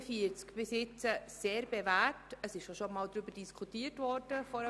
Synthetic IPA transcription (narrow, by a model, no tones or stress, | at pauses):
fiəɾt͡skb̥ɪsɪt͡səseːɾbevætəsɪʃʃoʃomɑːld̪ɾybədiskʰutiːətvɔrd̥əfɔɾə